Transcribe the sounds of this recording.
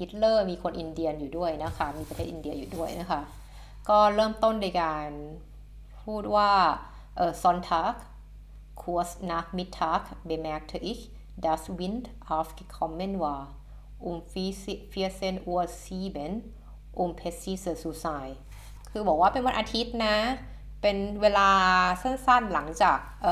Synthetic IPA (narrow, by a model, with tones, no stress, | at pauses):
ʔi˧˥t̪̚lɤː˧˩miː˧kʰo˧nʔi˧ndi˧ənjuː˨˩du˥˩əjna˦˥kʰa˦˥miː˧pa˧eː˥˩ʔiː˨˧ndi˧ɐjuː˨˩du˥˩əjna˦˥kʰa˦˥˩ʔ | kɔː˥˩ɾɤː˥˩mt̪o˥˩nda˧˩˨jkaː˨n | pʰuː˥˩t̪̚waː˥˩ | ʔɤː˨˩sɔ˧˥nt̪ʰaː˧˦˥k̚ʰː | u˧ɐsna˧˥k̚mi˦˥t̪ʰːaː˧˥kbe˨˧˩mɛ˧˦k̚t̪ʰːʔi˦˥k | daː˧˥swi˧˥nd̪ʔa˧˦fki˧kʰːɔ˧˦mːe˧˥nwaː˧ | ʔu˧m˧fi˧˥˧se˧˥˨nʔu˧ə˧siː˧˥˩be˨˦n | ʔu˧˩mpʰe˧˦˥siː˧˥˩sɯ˧˩suː˧˩saː˧j | kʰɯː˧bɔː˨˩k̚waː˥˩pe˨nwa˧˥nʔaː˧t̪ʰi˦˥t̪̚na˧˦˥ | pe˨nweː˧laː˧se˥˨nsa˥˩nla˨˩˦ŋt͡ɕaː˨˩k̚ʔɤː˧